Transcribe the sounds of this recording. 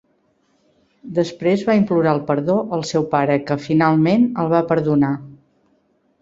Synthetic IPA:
d̪əspɾezβaimpluɾaəlˠpəɾðoʔəlˠsɛwpaɾəkəfinalˠmenəlˠβapəɾðuna

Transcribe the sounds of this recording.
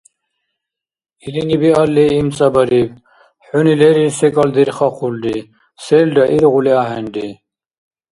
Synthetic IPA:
ilinibialːeimt͡sʼɐbɐɾiv | ħunileɾiɾsekɐld̪iɾχɑqʰulɖi | selɖɐʔiɾʁuliaːɦenɖi

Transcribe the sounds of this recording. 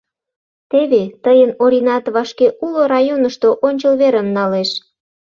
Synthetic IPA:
t̪eβet̪əjənoɾʲinɑt̪βɑʃkeʔuloɾɑjonəʃt̪oʔonʲt͡ɕəlβeɾəmnɑleʃ

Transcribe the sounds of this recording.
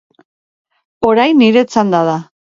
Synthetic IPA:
o̞ɾajnːiɾe̞t͡sand̪aða

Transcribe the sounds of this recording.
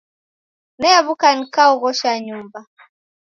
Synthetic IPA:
nɛjaβukanikauɣɔʃaɲumba

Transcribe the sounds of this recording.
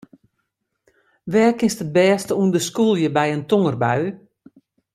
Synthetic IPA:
ʋɛːkɪnstət̚bɛːstəundəskulˠjəbɛjəntoŋərba̰ɥ

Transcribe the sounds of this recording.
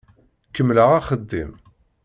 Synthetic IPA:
kːəmːləʁaχəd̪ːḭm

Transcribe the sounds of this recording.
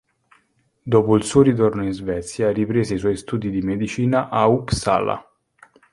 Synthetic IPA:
d̪oːpoilsuoɾit̪̬ornoinzvɛt̪sjaripɾeːzeiswɔjst̪uːd̪id̪imed̪it͡ʃiːnaʔauksa̰ːla̰

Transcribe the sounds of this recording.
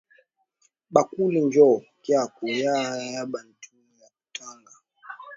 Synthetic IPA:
ɓakulind͡ʒɔkjakujajaɓan̩tʰunijaku̥taŋɡa

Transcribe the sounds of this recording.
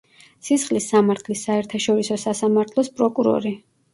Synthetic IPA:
sisχlisːamaɾt̪ʰlisaɛɾt̪ʰaʃɔɾisɔsasamaɾt̪ʰlˠɔspʼɾɔkʼuɾɔ̰ɾi

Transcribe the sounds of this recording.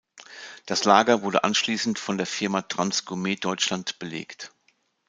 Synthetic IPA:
d̥aslaːɡɐvʊɐdə̰ʔanʃliːsn̩tfɔndeːɐfɪɐmaːtʁ̥ansɡ̥omeːdɔʏt͡ʃlantb̥əlḛːkt

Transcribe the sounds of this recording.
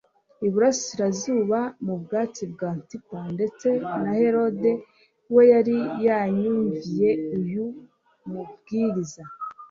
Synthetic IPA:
iβuɾasi̥siɾazuːβamubɡaːt͡sib̚ɡaːntipande̞t͡se̞nahe̞ɾo̞de̞ | we̞jaɾijaɲuɲvije̞uju | mub̚ɡiːɾiza

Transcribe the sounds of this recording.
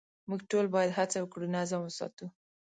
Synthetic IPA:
muɡʈolbɑjad̪ɦat͡sawəkɽunazamwəsɑ̰t̪u

